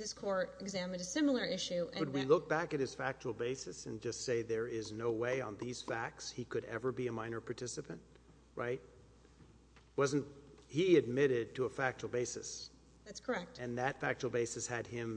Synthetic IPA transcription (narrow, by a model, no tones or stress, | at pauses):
ðɪskʰɔɹɾɨɡzæmɨ̃ndɨsɪ̃ml̩ˠə˞ʔɪʃʉɨ̃ɨd̚wilʊk̚b̥ækɨt̚hɨz̥fæk̚t͡ʃl̩ˠbeɪsɨsɨ̰̃nd͡ʒʌstseɪðə˞ɪznoʊweɪə̰̃nðiz̥fæk̚tshikʰɨɾɛ̰və˞biɨmãɪ̃nə˞pʰɑ˞tʰɪsɨpʰɨ̃nt̚ | ɹʔa̰ɪt̚ | wʌz̃n̩thiɨd̚mɪɾɪd̚tʰəːfæk̚t͡ʃl̩ˠbeɪsɨs | ðætskʰə˞ɛk̚tɨ̃nðɨtfæk̚t͡ʃl̩ˠbeɪsɨshɨd̚ɪ̃m